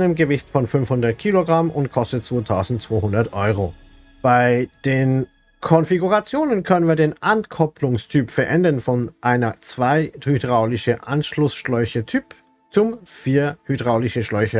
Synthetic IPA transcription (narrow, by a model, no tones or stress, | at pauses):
nəmɡəvɪçtfɔnfhʏnfhʊndɐt̚kʰiːloɡʁamʊnt̚kʰɔstətt͡sv̥oːtʰaʊzn̩tt͡sv̥oːhʊndɐtʔɔʏʁ̞o | b̥aɪd̥eːn | kʰɔnfiɡuʁat͡sjoːnənkʰœnənviːɐdeːnʔankʰɔpʰlʊŋstʰyːpfɛɐʔɛndɐnfɔnʔaɪnɐt͡sv̥aɪhydʁaʊlɪçəʔanʃlʊsʃlɔʏçətʰyːp | t͡sʊmfiːɐhydʁaʊlɪçəʃlɔʏçɐ